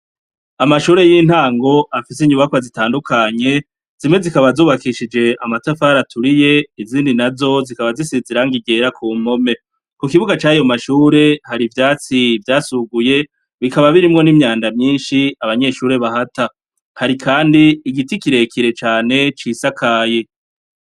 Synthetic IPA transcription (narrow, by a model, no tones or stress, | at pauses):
amaʃuːɾe̞jiːn̥haːŋɡo̞ʔafisiɲuβakwazitaːndukʰaɲe̞ | z̥imwe̞zikaβazuːβakiʃid͡ʒe̞amatafaːɾatʰuɾije̞iziːndinazo̞zikaβazisiziɾaŋɡiɡe̞ɾakʰuːm̥o̞me̞ | kukiβuɡat͡ʃaːjo̞maʃuːɾe̞haɾivjaːt͡sivjaːsuɡuje̞ | βikaβaβiɾimŋo̞nimɲaːndamɲiːnʃiaβaɲe̞ʃuːɾe̞βahata | haɾikʰaːndiːɡitikiɾe̞kʰiɾe̞t͡ʃaːne̞t͡ʃiːsakʰaːje